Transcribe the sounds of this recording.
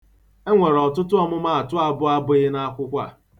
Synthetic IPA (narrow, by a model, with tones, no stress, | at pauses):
e˦ŋʷe˨ɾɔ˨tʊ˦tʊ˦ɔ˦mʊ˦ma˦a˨tʊ˦a˦bʊ˦a˦bʊ˦ɪ˦na˦kʷʊ˦kʷa̰˦˨